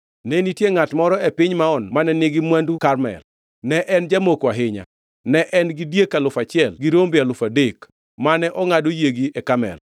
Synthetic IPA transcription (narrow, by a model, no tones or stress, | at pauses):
nɛnitjeŋatmɔɾɔɛpɪɲmaɔnmanɛnɪɡɪmwandukaɾmɛ̰l | nɛʔɛnd͡ʒamokwaɦɪɲa̰ | nɛʔɛnɡidjekalʊfat͡ʃɪɛlɡiɾombɪalʊfadek | manɛʔɔŋadojeɡiɛkamɛ̰l